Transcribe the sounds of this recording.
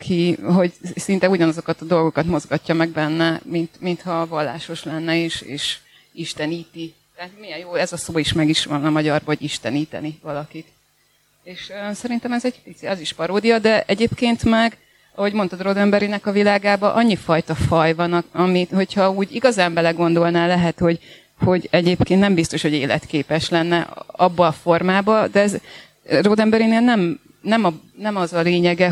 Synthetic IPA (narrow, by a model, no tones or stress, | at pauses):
kʰiɦo̞ɟsint̪ɛuɟɒnɒzo̞kɒt̪ɒd̪o̞lɡo̞kɒt̪mo̞zɡɒcːɒmɛɡbɛnːɛmint̪mint̪hɒvɒlːa̰ːʃo̞ʃlɛnːɛeːʃḛːʃ | iʃt̪ɛniːt̪i | t̪ɛɦat̪mijɛjjoːɛzɒsoːiʃmɛɡiʃʋɒnɒmɒɟɒrvɒɟiʃt̪ɛniːt̪ɛ̰nivɒlɒkit̪ | eːʃøsɛɾint̪ɛmɛzɛɟ̥pit̪siɛziʃpɒɾoːd̪ijɒd̪ɛʔɛɟeːpkeːnt̪mɛɡ | ɒho̞ɟmo̞nt̪ɒt̪rod̪ɛmbɛɾinɛkɒvilaːɡaːbɒʔɒɲːifɒjt̪ɒfɒjvɒnɒmiho̞chɒuːɟiɡɒzaːmbɛlɛɡo̞nd̪o̞lnaːlɛɦɛt̪ho̞ɟ | ho̞ɟɛɟeːpkennɛmbist̪o̞ʃho̞ɟeːlɛ̰t̪keːpɛʃlɛnːɛɒbːɒːfo̞rmaːbɒd̪ɛɛz | rod̪ɛmbɛɾineːlnɛm | nɛmɒnɛmɒzɒleːɲɛɡɛ